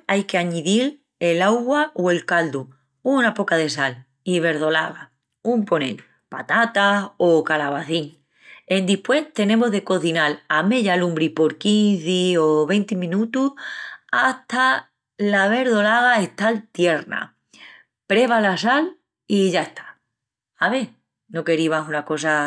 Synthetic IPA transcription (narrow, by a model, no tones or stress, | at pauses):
ajke̞aɲiðil | e̞lawɣwaʔoe̞lkald̪u | unapo̞kaðe̞sal | iβ̞e̞ɾð̞o̞la̰ɣa | umpo̞nḛl | pat̪at̪asokalaβ̞aθiŋ | e̞nd̪ihpwe̞ht̪e̞nẽ̞moɦðe̞ko̞θinalame̞ʎalũmbɾipo̞ɾkinθioβ̞e̞nt̪imĩnut̪uhaht̪a | laβe̞ɾðo̞laɣ̞ae̞ht̪alt̪je̞ɾna̰ | pɾe̞β̞alasal | iʝaeht̪ʰḁ | aβe | no̞ke̞ɾiβasunako̞s̬a